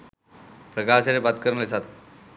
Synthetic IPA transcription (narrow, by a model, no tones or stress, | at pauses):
pɾəkaːsaɾebat̪̚kəɾnesat̪